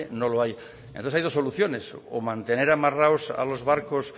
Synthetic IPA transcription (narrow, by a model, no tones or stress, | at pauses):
enoloaj | enõθeajðosoluθjo̞ne̞so̰mãnt̪e̞ne̞ɾamaraosa̰lozβaɾkos